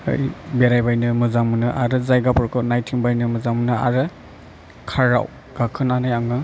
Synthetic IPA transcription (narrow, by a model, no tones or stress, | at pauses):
ɯ̰jbeɾajbajnɯmɯzaŋmunɯʔaɾɯzajɡapɔɾkʰɯnajtʰiŋbajnɯmɯzaŋmunɯa̰ɾɯ | kʰaɾa̰w | ɡ̥akʰɯnanajaŋɯ